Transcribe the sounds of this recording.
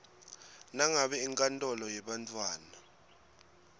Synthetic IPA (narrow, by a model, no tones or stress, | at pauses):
naŋaɓɛiŋkʼantʼɔlɔjɛɓantʰʼwaːna